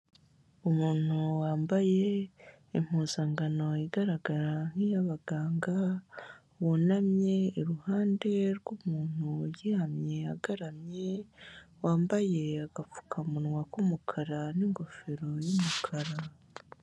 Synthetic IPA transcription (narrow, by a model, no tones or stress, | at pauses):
umuːn̥huwaːmbaje̞ | im̥huːzaːŋɡano̞iɡaɾaɡaɾaŋ̥ijaβaɡaːŋɡa | wunamɲe̞iɾuhaːnde̞ɾɡumuːn̥hujihamɲe̞aɡaɾamɲe | waːmbaje̞aɡ̥afu̥kʰamunwakumukʰaɾaniŋɡo̞feɾo̞jumukʰaɾa